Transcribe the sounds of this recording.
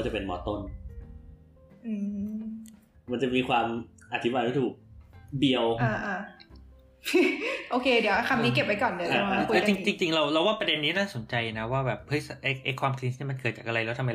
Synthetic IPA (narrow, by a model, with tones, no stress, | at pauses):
a˥˩t͡ɕa˨˩pe˧nmɔ̰ː˨˩˦t̪o˥˩n | ʔɯː˧˩ | ma˧nt͡ɕa˨˩miː˧kʰwaː˧m | ʔa˧˩t̪ʰi˦baː˧jt̪ʰaː˥˩t̪ʰuː˨˩k̚bi˧əwʔaː˧ʔa˧˩ | ʔoː˧kʰeː˧di˩˦wʔa˧˩kʰa˧mniː˦˥ke˨˩p̚wa˧˥jkɔː˨˩nːdʰa˦˧˦a˥˩˧lːɛ˦˥t͡ɕi˧ŋt͡ɕi˧ŋt͡ɕi˧ŋɾa˧wla˧˥waː˥˩pɾa˧de˧nːiː˦˥naː˥˩so˨˩˦nt͡ɕa˧jana˦˥waː˥˩bɛː˨˩p̚hɤ˦˥jsa˨˩ʔa˧jʔa˧jkʰwaː˧mkʰli˧˦˥niː˥˩ma˧nkɤː˨˩t̪̚t͡ɕaː˨˩kʔa˧ɾa˧jlɛ˦˥t̪ʰma˧